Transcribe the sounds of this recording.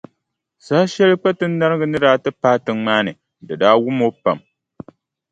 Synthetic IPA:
saː˦ʃɛ˦lɨ˦k͡pa˦tɨ˦nː˦a˦ɾɨ˦ɡɨ˦nɨ˦ɾaː˨˦tɨ˦paː˦tɨ˨ŋŋ͡maː˦nɨ˨ | dɨ˨daː˦wʊ˦mo˦pa˨m

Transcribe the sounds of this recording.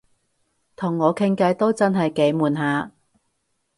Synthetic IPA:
t̪ʰʊ˨˩ŋːɔː˨˧kʰɪ˥ŋkɐ˧jt̪o˥wt͡sɐ˥nɦɐ˨jke˨˧˥jmuː˨˩nɦaː˨˧

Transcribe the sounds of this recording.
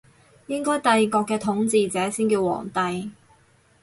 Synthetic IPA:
jɪ˥ŋkɔː˥jt̪ɐ˨˧jkɔː˧kːɛː˧t̪ʰʊ˨˥ŋt͡siː˨t͡sɛː˨˥siː˥nkiː˧wɔ̰ː˨˩ŋt̪ɐ˨j

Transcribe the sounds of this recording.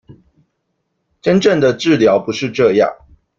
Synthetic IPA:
ʈ͡ʂə˥˦nʈ͡ʂə˥˩ŋd̪ə˨ʈ͡ʂɻ̩˥˩ljɑ˨˥ʊpu˨˥ʂɻ̩˥˧ʈ͡ʂɤ˥˧jɑ̰˥˩ŋ

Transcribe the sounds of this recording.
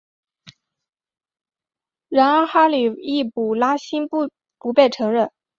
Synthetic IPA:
ɻa˧˥na˥xa˥li˨˩i˥˩pu˨˩la˥ɕi˥n˥ | pu˧˥pe˥˩ɪʈ͡ʂʰɤ˧˥ŋɻə˥˩n

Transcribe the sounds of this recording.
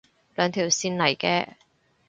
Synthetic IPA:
lœː˨˧ŋt̪ʰiː˨˩wsiː˧nlɐ˨˩jkɛ̰ː˧

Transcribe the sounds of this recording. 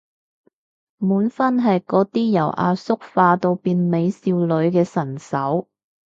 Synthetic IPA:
muː˨˥nfɐ˥nɦɐ˨jkɔː˨˥t̪iː˥jɐ˨˩wʔa̰ː˧sʊ˥k̚faː˧t̪o˧wpiː˨˧nme˨˧jsiː˧wlɵ˨˧ɥkɛː˧sɐ˨˩nsɐ˨˥w

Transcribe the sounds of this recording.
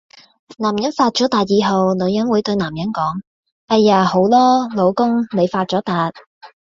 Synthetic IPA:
naː˨˩mjɐ˨˥nfaː˧t̚t͡ʃɔː˨˥t̪aː˨t̚jiː˨˧ɦɐ˨wnɵ˨˧ɥjɐ˨˥nwuː˨˥jt̪ɵ˧ɥnaː˨˩mjɐ˨˥nkɔː˨˥ŋ | ʔɐ˧jːaː˨˩ho˨˥wlɔː˥lo˨˧wkʊ˥ŋne˨˧jfaː˧t̚t͡sɔː˨˥t̪aː˨t̚

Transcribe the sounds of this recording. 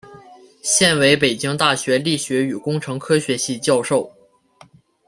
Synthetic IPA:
ɕjɛ˥˩nwe˧˥ɪpe˨˩ɪt͡ɕi˥ŋt̪a˥˩ɕɥɛ˧˥li˥˩ɕɥɛ˧˥y˨˩kʊ˥ŋʈ͡ʂʰɤ˧˥ŋkʰɤ˥ɕɥɛ˧˥ɕi˥˧t͡ɕjɑ˥˧ʊʂo˥˩ʊ

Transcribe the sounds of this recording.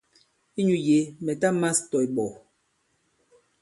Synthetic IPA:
i˦ɲu˨je˨˦mɛ˨ta˦ma˦stɔ˨i˨ɓɔ˨

